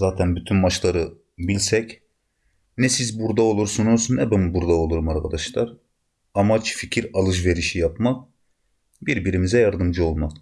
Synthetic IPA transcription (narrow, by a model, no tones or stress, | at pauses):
zaːt̪ʰɛnbyt̪ʰynmat͡ʃlˠaɾɯ | bilʲsɛc | nɛsizbuɾd̪ao̞lˠuɾsunoɾsunɛbɛmbuɾd̪ao̞lˠuɾumaɾkʰad̪aʃlˠaɾ | amat͡ʃficʰiɾalˠɯʃ̬ve̞ɾiʃijapmak̚ | biɾbiɾimizɛjaɾd̪ɯmd͡ʒɯo̞lˠmak